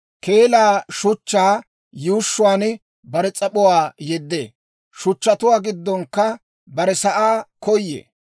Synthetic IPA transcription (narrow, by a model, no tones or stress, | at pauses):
keːlaːʃʊt͡ʃːaː | juːʃːʊwaːn | bɐɾɛt͡sʼɐpʊwaːjɛd̪ːḛː | ʃʊt͡ʃːɐt̪ʊwaːɡɪd̪ːɔŋkːɐ | bɐɾɛsɐʔaːkɔjːḛː